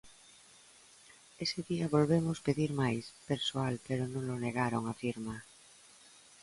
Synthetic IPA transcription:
eseðiaβolβemospeðiɾmajspeɾsoalpeɾonõŋloneɣ̞aɾoŋafiɾma

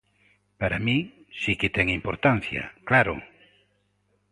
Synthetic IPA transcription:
paɾamĩsikɪt̪ɛŋimpoɾt̪an̟θja̰klaɾʊ̰

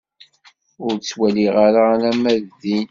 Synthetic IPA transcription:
ʊɾt͡sːwæliʁaɾaɾæmæððin

